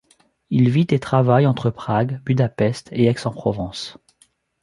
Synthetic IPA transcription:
ilvit̪et̪χavajɑ̃t̪χəpχaɡbyd̪apɛst̪eɛksɑ̃pχɔvɑ̃s

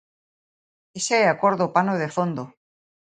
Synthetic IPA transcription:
eseeakoɾðopanoð̞efond̪o

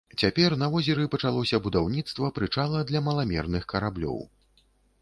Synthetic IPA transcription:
t͡sʲapʲɛrnɐvɔzʲɛɾɨpɐt͡ʂalˠɔsʲɐbud̪awnʲit̪st̪vɐpɾɨt͡ʂalˠɐd̪lʲɐmɐlˠamʲɛ̰rnɨxkɐɾablʲɔ̰w

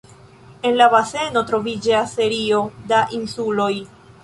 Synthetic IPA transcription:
e̞nlabase̞no̞tɾo̞vid͡ʒasːe̞ɾio̞daʔinsulo̞j

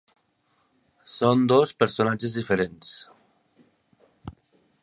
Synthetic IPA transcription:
sond̪ospeɾsonad͡ʒezðifeɾens

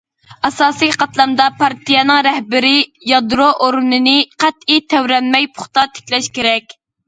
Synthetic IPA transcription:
ɑsɑːsijqʰɑt̪lˠɑmd̪ɑpʰɑɾt̪ʰijɛnɨŋɾɛhbɪɾɪjɑd̪ɾoʔoɾnɨnɨqʰæt̪it̪ʰɛwɾɛnmɛjpʰʊ̥χt̪ɑt̪ʰe̥kʲlɛʃkʲeɾɛkʲ

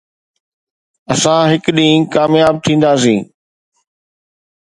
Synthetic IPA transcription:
ɐsãɦɪkɗĩːkaːmjaːb̚t̪ʰĩːn̆d̪aːs̬ĩː

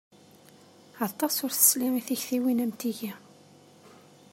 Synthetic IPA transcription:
ɑt̪ˤːɑsʊɾθə̥slimiθiçθiwinæmt̪iʝi

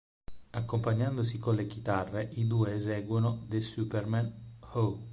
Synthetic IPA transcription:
akːompaɲːand̪osikonlek̟it̪arːeʔid̪ueːzɛɡwonod̪esupermanho

